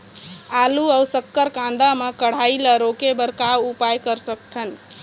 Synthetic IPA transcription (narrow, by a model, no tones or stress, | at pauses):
aluəwsəkːəɾkãnd̪amekəɽ̤ajləɾokebəɾkawupajkəɾsək̚ʈ̪ʰən